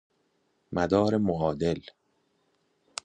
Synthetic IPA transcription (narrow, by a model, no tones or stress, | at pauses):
mæd̪ɒːɾemoʔɒːd̪el